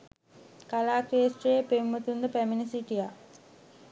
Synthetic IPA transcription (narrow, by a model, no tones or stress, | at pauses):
kalaːkɾeːsʈrejepeumːɐt̪und̪əpæminɐsiʈija